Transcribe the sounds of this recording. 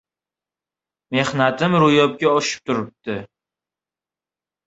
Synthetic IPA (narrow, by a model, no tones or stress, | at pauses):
me̞hnat̪ɪmɾʊjɒp̚kʲaɒʃɪ̥p̚t̪ʰʊɾɪp̚t̪ɪ